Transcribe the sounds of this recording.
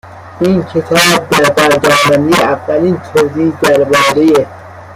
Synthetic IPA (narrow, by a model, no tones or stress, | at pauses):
inkʰet̪ʰɒːb̚d̪æɾd̪æɾd̪ɒːsænd̪iævːæliːnt̪ʰoziːd̪æɾbɒːɾije